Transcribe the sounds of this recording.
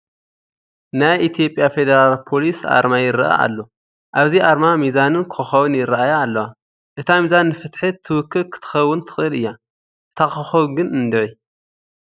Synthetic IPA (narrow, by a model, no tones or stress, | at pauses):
najʔit̪ʰjo̞pʼjafe̞d̪eɾalpʰo̞lisa̰ɾmajɪɾɐʔa̰a̰lːo̞ | ʔaβziʔaɾmamizanɨnkʰxɨxɐwɨnjɪɾɐʔajaːlːɐwa | ʔɨt̪ʰamizanːɨfɨt̪ħɨt̪ʰːɨwɨkʰːɨlkʰɨ̥t̪ʰɨ̥xɐwːʊnt̪ʰɨ̥xʼɨlɨjːa | ʔɨt̪ʰakɨxɐwɡɨnɨnd̪ɨʕi